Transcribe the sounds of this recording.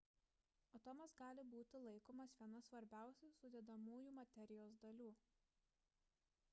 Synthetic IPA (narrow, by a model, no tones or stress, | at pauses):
ot̪ɔmɐsɡɑːlʲɪbuːt̪ʲɪlˠɐɪkoːmɐsʋʲiɛnɐsʋɐɾʲbʲæˑʊsʲusʊd̪ʲɛd̪ɐmuːjuːmɐt̪ʲɛɾʲɪjoːsd̪ɐlʲuː